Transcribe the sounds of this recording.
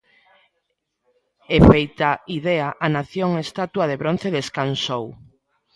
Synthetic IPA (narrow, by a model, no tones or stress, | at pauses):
efejt̪aiðeaʔanaθjoŋest̪at̪waðeβɾon̟θeðeskansow